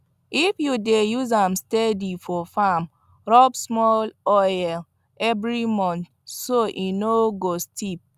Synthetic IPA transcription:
ifjudejuzamstedifɔfam | ɾɔbsmɔlɔjɛl | ɛvɾimɔ̃nt | soʔinoɡostip̚

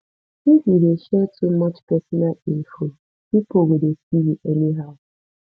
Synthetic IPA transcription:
ifideʃɛtʰumʌt͡ʃpɛsɔnalifo | pipowedesiwiʔɛniɦaʊ

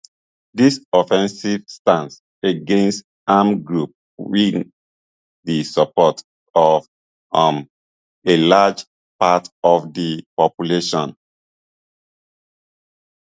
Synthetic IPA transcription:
disɔfɛ̃nsiv̥stãns | eɡẽnst | amɡɹup̚ | ɹiŋ | disəpɔt | ɔv | ãm | elad͡ʒ | patɔvdipɔpjuleʃɔ̃n

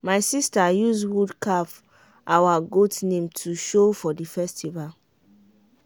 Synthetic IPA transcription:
maɪsistajuswudkap | ʔawaɡotnẽmtʰuʃofɔdifɛstival

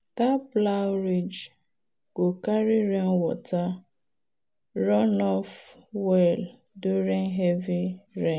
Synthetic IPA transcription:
taplaɾid͡ʒ | ɡ̥okaɾiɾeŋ̩wɔ̰ta | ɾɔnɔfwɛlduɾiŋ̩ɦɛviɾe

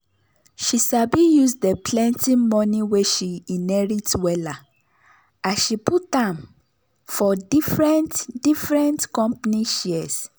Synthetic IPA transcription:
ʃisabijusdəplɛ̃ntimɔ̃niweʃiinɛɹitwɛla | aʃiput̚ãm | fɔdifɹɛ̃ntdifɹɛ̃ntkɔ̃mpniʃiɛs

